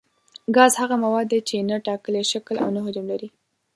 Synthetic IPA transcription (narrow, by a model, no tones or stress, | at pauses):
ɡɑzhaɣamawɑd̪ːet͡ʃenaʈɑkəleʃakəla̰wnaɦʊdəmlaɾi